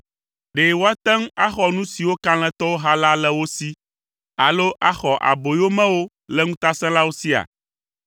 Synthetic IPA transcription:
ɖe˨wo˦a˦t̪ɛ̃˦ŋ˦a˦xɔ˨nũ˦si˨wo˦ka˦l̃ɛ̃˦t̪ɔ˦wo˦ɦa˦la˦lɛ˦wo˦si˦ | a˨lo˦ʔa˦xɔ˨ʔa̰˨bo˨jo˦mɛ̃˦wo˦ | lɛ˦ŋũ˦t̪a˦sɛ̃˦la˦wo˦si˦a̰˨

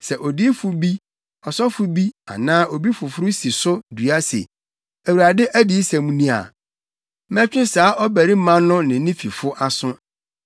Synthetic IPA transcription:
sɛ˨ʔɔ˨di˦fʊ˨bi˦ | ɔ˨sɔ˦fʊ˨bi˦a̰˨nãː˦ʔo˨bi˦fʊ˨fʊ˦ɾʊ˦si˨sʊ˦du˨a˦sḛ˨ | æ˨wu˨ɾa˨dɪ˦ʔæ˦di˨˦sæ̃˨mũ˦nĩ˦a̰˨ | mɛ̃˦t͡ɕᶣɪ̃˦saː˨˦ʔɔ˦bæ˨ɾi˦mã˦nʊ̃˦nɪ̃˨˦nĩ˦fi˨fʊ˦ʔa˨sʊ̃˦

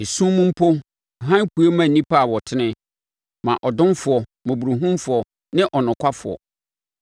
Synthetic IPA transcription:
e˨sũ˦mũ˦m̩˦pʰo˦˨ | ɦã˦n˦ku˦e˦mã˨nĩ˦pʰa˦˨wɔ˨tʰɪ˦nɪ̃˦ | mã˨ʔɔ˨dʊ̃˦nfʊ˨ɔ˨mõ˨bu˨ɾu˨ɦũ˦mfʊ˨ɔ˨ | nɪ̃˦ʔɔ˨nʊ̃˨kʷʰa˦fʊ˨ɔ̰˨

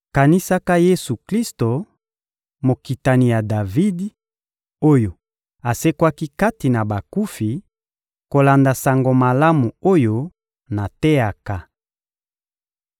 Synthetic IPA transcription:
ka˨ni˦sa˦ka˦je˦su˨kli˦sto˨ | mo˨ki˨ta˨ni˨ja˨da˨vi˦d | o˦jo˨ | a˨se˦kwa˦ki˦ka˦ti˨na˨ba˨ku˦fi˨ | ko˨la˨nda˨sa˨ŋɡo˨ma˨la˦mu˨o˦jo˦ | na˨tɛ˦a˨ka˦

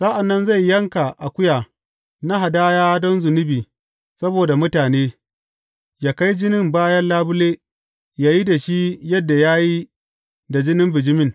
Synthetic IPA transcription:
sa˦ʔa˨nːɐ˦nza˦˨jːɐ˦ŋka˨ʔa˨kʷʊ˦jaː˨ | na˦ɦa˨daː˦jaː˦dɔ˦nzʊ˨nʊ˦biː˨ | sɐ˦boː˨da˨mʊ˦taː˨neː˦ | jaː˨ka˦jd͡ʒɪ˦nɪ˦mbaː˦jɐ˦nlaː˦bʊ˦leː˦ | jaː˦ji˦da˨ʃi˦jɐ˦dːa˨jaː˦ji˦ | da˨d͡ʒɪ˦nɪ˦mbɪ˨d͡ʒɪ˦mɪ˦˨ŋ

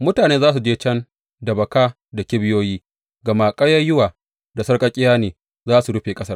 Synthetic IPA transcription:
mʊ˦taː˨neː˦zaː˦s̬u˨d͡ʒeː˦t͡ʃɐ˦n | dɐ˨bɐ˨kaː˦ | da˨kʲɪ˦bɪ˦joː˦jiː˦ | ɡɐ˨maː˨kʼɐ˦jɐ˦jʊ˦waː˨ | da˨sɐ˦rkʼɐ˦kʲʼɪ˦jaː˦neː˨ | zaː˦su˨ɽʊ˦ɸeː˨kʼɐ˦sɐ˦

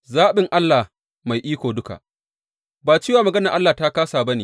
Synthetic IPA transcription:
zaː˦ɓɪ˨ŋʔa˦lːaː˨ | ma˨jʔiː˦kʷoː˨dʊ˦ka̰˨ʔ | baː˨t͡ʃiː˦waː˨mɐ˨ɡɐ˦nɐ˨ʔa˦lːaː˨ta˦kaː˦saː˨bɐ˦neː˨

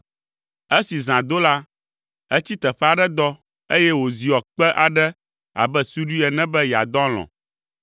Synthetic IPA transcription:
e˦si˨zã˨d̪o˦la˦ | ɛ˦t͡ɕi˦t̪ɛ˨ɸɛ˦a˨ɖɛ˦d̪ɔ˦ | e˦jɛ˦wo˨zi˨ɔ˨k͡pɛ˦ʔa˨ɖɛ˦ | a̰˨bɛ˦su˦ɖu˦ɛ˨nɛ̃˦bɛ˦jɛ˨a̰˨d̪ɔ̃˦l̃ɔ̰̃˨

